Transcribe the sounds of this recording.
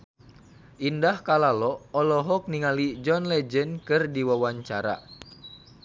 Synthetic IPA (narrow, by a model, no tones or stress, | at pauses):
ʔindahkalalɔɔlɔɦɔk̚niŋalid͡ʒɔnlɛd͡ʒənkɨrdiwawaɲt͡ʃaɾa̰